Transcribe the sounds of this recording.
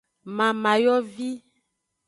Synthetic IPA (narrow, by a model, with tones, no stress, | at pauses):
mã˨mã˨jɔ˦vi˦